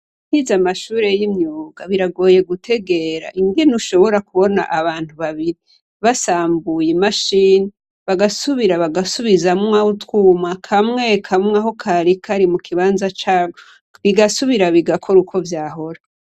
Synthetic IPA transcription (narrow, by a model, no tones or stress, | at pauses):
n̥hizamaʃuːɾe̞jimɲuːɡaβiɾaɡo̞ːje̞ɡutʰe̞ɡe̞ɾa̰ʔiŋɡenuʃo̞βo̞ɾakuβo̞na̰ʔaβaːntuβaβiɾi | βasaːmbujimaʃini | βaɡasuβiɾaβaɡasuβizamŋwautwuːmakʰamŋe̞kʰamŋaɦo̞kʰaɾikʰaɾimukʰiβaːnzat͡ʃaː | βiɡasuβiɾaβiɡakʰo̞ɾukʰo̞vjaːɦo̞ɾa